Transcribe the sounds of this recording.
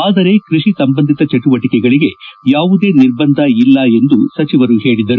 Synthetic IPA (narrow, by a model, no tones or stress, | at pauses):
aːd̪ɐɾekɾiʂisɐmbɐnd̪ʱit̪ɐt͡ʃeʈuʋɐʈikɛɡɐɭiɡe̞jaːʋud̪e̞ːniɾbɐnd̪ʱɐilːɐe̞nd̪usɐt͡ʃiʋɐɾuhe̞ːɭid̪ɐɾu